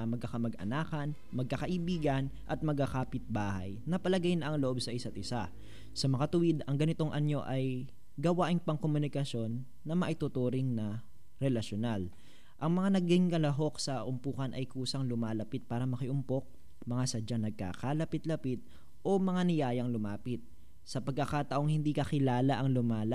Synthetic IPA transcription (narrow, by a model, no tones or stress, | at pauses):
mɐɡ̚kɐkɐmɐɡʔɐ̰naːkɐn | mɐɡ̚kɐkɐʔɪbiːɡɐnʔɐt̪̚mɐɡ̚akaːpɪt̪̚baːhɐ̰jnɐpɐlɐɡajnɐʔɐŋloʔo̞bsɐʔɪsat̪̚ʔɪsa | sɐmɐŋɐt̪ʊwɪd̪ɐŋɡɐnɪt̪o̞ŋʔɐɲo̞ʔɐj | ɡɐwaːʔɪŋpɐŋkomʊnɪkɐso̞nː | ɐmɐʔɪt̪ʊt̪uːɾɪŋnɐ | ɾɛlɐʃonal | ʔɐŋmɐŋanɐɡɪŋkɐlɐɦo̞k̚sɐʔʊmpuːkɐnʔɐjkuːsɐŋlʊmaːlɐpɪt̪̚paːɾɐmɐkɪʔʊmpok̚ | mɐŋasɐd͡ʒanɐɡ̚ka̰kalɐpɪt̪lɐpɪt̪̚ | ʔo̞mɐŋanɪjaːjɐŋlʊmaːpɪt̪̚ | sɐpɐɡ̚kɐkaːt̪ɐʔo̞ŋhɪnd̪ikɐkɪlaːlɐʔɐŋlʊmaːlɐ